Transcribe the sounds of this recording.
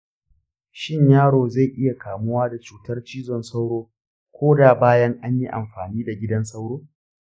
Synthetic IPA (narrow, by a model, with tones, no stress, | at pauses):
ʃɪ˦ɲjaː˦ɽoː˨za˦˨jʔɪ˦ja˨kʰaː˨mʊ˦waː˦da˨t͡ʃuː˨tɐ˦rt͡ʃiː˦zɔ˨nsa˦wɽoː˦ | kʷʰoː˦da˨baː˦jɐ˦ŋʔa˦ɲji˦ʔa̰˨mɸaː˨niː˦da˨ɡʲɪ˦dɐ˦ns̬a˦wɽoː˦